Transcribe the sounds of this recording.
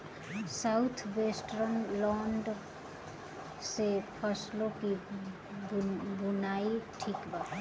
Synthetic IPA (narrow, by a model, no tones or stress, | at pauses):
saʊt̪ʰʋeːsʈɾənlɔːɳɖ | sepʰəslõki | bʊnaːiʈʰiːkbaː